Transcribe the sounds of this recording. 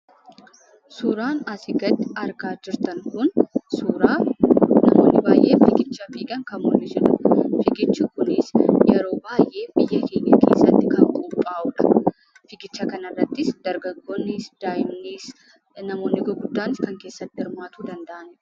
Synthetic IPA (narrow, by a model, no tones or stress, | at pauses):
suːɾaːnɐsɪɡɐt̪ːɪɐɾɡaːd͡ʒɪɾt̪ɐŋkʊnsuːɾaːnɐmo̰ːnːɪbaːjʔeːfɪkɪt͡ʃːɐfiːkʼɐŋkɐmmɔlmɪsʊᶑɐfɪkʼɪt͡ʃːɪkʊnɪsjɛɾo̞ːbaːjʔe̞ːbɪjːɐhiːnɐkʰḛːsːɐt̪ːɪkɐŋkʼuːpʼːaːʔʊᶑɐ̥ | fɪɡɪt͡ʃːɐkɐnɐrːɐt̪ːɪsd̪ɐɾɡɐɡːoːnːɪsd̪̥aːjɪmniːs | nɐmo̞ːnːɪɡɔɡʊd̪ːaːnɪskɐŋke̞ːsːɐt̪ːɪɪɾmaːt̪ʊd̪ɐnd̪ɐʔɐn